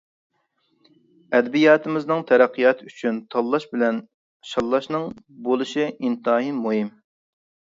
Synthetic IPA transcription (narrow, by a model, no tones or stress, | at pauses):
ɛd̪bijɑːt̪ʰɨmɪznɨŋt̪ʰɛɾɛqʰːijɑt̪ʰyt͡ʃʰynt̪ʰɑlˠːɑʃbɪlɛn | ʃɑlˠːɑʃnɨŋ | bolˠɨʃiʔint̪ɑɦimuɦim